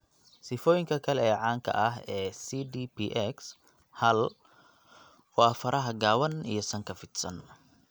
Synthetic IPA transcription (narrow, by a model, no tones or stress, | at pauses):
sɪfɔːjɪŋkʰɐkʰɐlɛɛːʕɑːŋkʰɐ̰ʔɐɦɛːsiːd̪ipʰiːʔɛks | hɐl | wɑːfɐɾʔɐɦɐɡaːwɐnḭjɞsɐŋkʰɐfɪd̪sɐ̰n